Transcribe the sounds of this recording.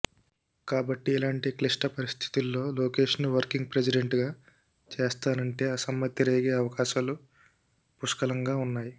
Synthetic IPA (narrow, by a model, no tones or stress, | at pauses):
kaːbɐʈːiɛlaːɳʈikliʂʈɐpɐɾist̪ʰi̥t̪ulːo̞ːloːke̞ːʂnuʋɐɾkiŋɡ̚pɾes̬iɖeɳʈɡaː | t͡ʃeːst̪aːnɐɳʈe̞ːɐsɐmːɐt̪jiɾeːɡe̞ːɐʋɐkaːʃaːlu | puʂkɐlɐŋɡaːunːaːji